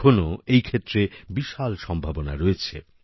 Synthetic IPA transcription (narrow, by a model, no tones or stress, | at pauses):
onoejkʰet̪ːɾebiʃalʃɔmbʱabonaɾoet͡ɕʰḛ